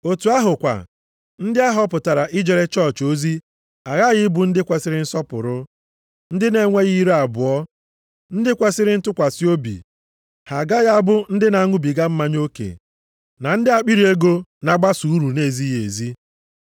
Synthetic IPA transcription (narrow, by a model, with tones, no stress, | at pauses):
o˨tu˨a˦ɦʊ˨kʷa̰˨ | n̩˦dɪ˦a˦ɦɔ˦pʊ˨ta˨ɾa˨ʔɪ˦d͡ʒe˨ɾe˦t͡ʃɔ˦˨t͡ʃo˦zi˦ | a˨ɣa˦˨ɣɪ˦bʊ˨n̩˦dɪ˦kʷe˨sɪ˦ɾɪ˦n̩˦sɔ˦pʊ̰˨ɾʊ˦ | n̩˦dɪ˦ne˨ŋʷe˦ɣi˦ɾe˦a˨bʊ˨ɔ˦ | n̩˦dɪ˦kʷe˦sɪ˦ɾɪ˦n̩˦tʊ˦kʷa˨si˦o˦bḭ˨ | ha˨ɡa˦ɣa˦bʊ˦n̩˦dɪ˦na˨a˦ŋʷʊ˦bi˨ɡa˦m̩˦ma˦ɲo˦kḛ˨ | na˨n̩˦dɪ˦a˨k͡pi˦ɾi˨˦e˦ɡo˦na˨ɡ͡ba˦su˨˦ɾu˨ne˦˨zi˦ɦe˨zi˦